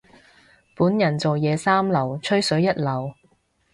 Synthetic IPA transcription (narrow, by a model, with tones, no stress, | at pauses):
puː˨˥njɐ˨˩nt͡so˨wjɛː˨˧saː˥mlɐ˨˩wt͡ʃʰɵ˥ɥsɵ˨˥ɥjɐ˥t̚lɐ˨˩w